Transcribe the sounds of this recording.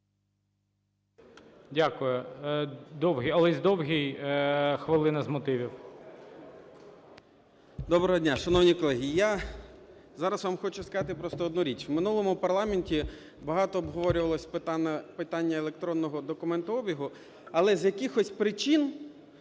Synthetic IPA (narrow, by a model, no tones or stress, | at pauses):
dʲakʊjʊ | d̪ɔwɦʲiɐlˠɛzʲd̪ɔwɦʲij | xʋɪlˠɪnɐzmɔt̪ɪʋʲiw | d̪ɔbɾɐɦɔdʲnʲaʃɐnɔwnʲikɔlˠɛɦʲija | zɑɾɐsʋamxɔt͡ʃʊskɐɑt̪ɪpɾɔst̪ɔːd̪nuɾʲit͡ʃwmɪnulˠɔmʊpɐrlˠɑmenʲtʲi | bɐɦɑt̪ɔːbɦɔʋɔɾʲʊʋɐlˠɔsʲp̪pɪt̪ɑnʲːɐelˠek̚t̪ɾɔnːɔɦɔd̪ɔkʊmɛnt̪ʊɔbʲiɦʊ | ɐlˠɛzjɐkɪxɔsʲpɾɪt͡ʃin